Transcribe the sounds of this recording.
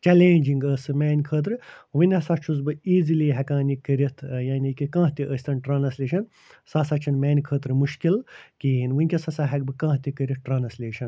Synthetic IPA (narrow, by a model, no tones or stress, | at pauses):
t͡ʃɛleːnʲd͡ʒiŋɡəːsɨmɛːnʲkʰəːt̪ɾɨʋɨnʲɐsɐt͡ʃʰuzbɨiːziliːɦɐkaːnikəɾʲɐt̪ʰjaːnʲikikãːɦt̪iʔəsʲt̪ʰɐnʈɾaːnɐslʲiːʃɐn | sasɐt͡ʃʰɐnmɛːnʲkʰəːt̪ɾɨmuʃkilkiːnʋɨnʲkʲɐsɐsaɦɐk̚bɨkãːɦt̪ikəɾʲit̪̚ʈɾaːnɐslʲeːʃɐn